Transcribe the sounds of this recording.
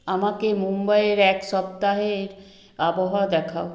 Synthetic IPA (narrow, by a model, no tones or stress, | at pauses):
amakemumbajeɾɛkʃɔp̚t̪aɦeɾ | aboɦaod̪ɛkʰao